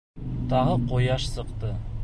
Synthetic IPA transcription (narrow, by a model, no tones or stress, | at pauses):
t̪ɑʁɤqojɑʃsɤ̆qt̪ɤ